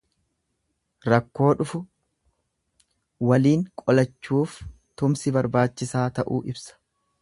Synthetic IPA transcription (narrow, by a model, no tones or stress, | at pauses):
ɾɐkːo̞ːᶑʊfʊ | wɐliːŋkʼɔlɐt͡ʃːuːf | t̪ʊmsɪbɐɾbaːt͡ʃːɪsaːt̪ɐʔuːʔɪbsɐ̥